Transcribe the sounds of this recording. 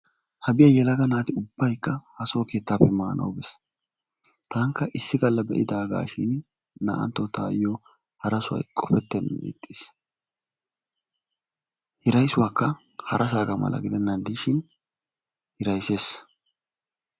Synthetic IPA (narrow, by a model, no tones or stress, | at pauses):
hɐbɪjɐjɛlɐɡɐnaːt̪ɪʊbːɐjkːɐhɐsoːke̞ːt̪ːaːpːɛmaːnʔɐ̰wbɛs | t̪aːŋkːɐʔɪsːɪɡɐlːɐbɛ̰ʔɪd̪aːɡa̰ːʃɪn | nɐ̰ʔɐ̰nt̪ːɔt̪aːjo | hɐɾɐsʊwɐ̰jkʼɔfɛt̪ːɛnːnḭːt̪ʼːis | hɪɾɐjsʊwaːkːɐ | hɐɾʔɐs̬aːɡɐmɐ̰lɐ̰ɡɪd̪ɛnːɐnd̪iʃɪn | hɪɾɐjse̞ːs